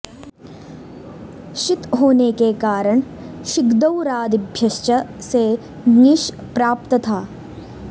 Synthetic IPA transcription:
ʃɪt̪ɦoːnekekaːɾəɳ̃ | ʃɪkd̪əwɾaːd̪ɪbʱjɐʃt͡ʃəse | nɪʃ | pɾaːp̚t̪ət̪ʰaː

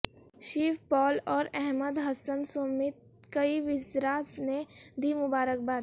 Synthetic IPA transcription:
ʃiːfpɔːlɔːɾɛɦməd̪ɦɐsənsomɪt̪̚ | kɐiʋɪzɾaːsned̪iːmʊbaːɾək̚baːd̪

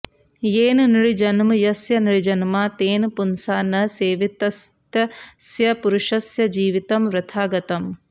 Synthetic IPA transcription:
jeːnniɭid͡ʒɐnmɨjɐsjɐniɭid͡ʒɐnmaːt̪eːnpunsaːnɐseːʋit̪ɐst̪ɐsjɐpuɾuʃɐsjɐd͡ʒiːʋit̪ɐmʋɾɐt̪ʰaːɡɐt̪ɐm

